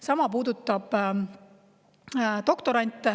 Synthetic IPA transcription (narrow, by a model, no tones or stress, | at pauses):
sɑmɑpuːd̪ut̪ːˑɑb̥ | t̪o̞kt̪o̞ɾɑnʲt̪ːˑ